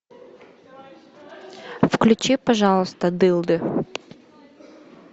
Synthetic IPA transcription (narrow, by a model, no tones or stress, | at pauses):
fklʲʊt͡ʃɪpɐʒɑlˠʊst̪ɐd̪ɪlˠd̪ɪ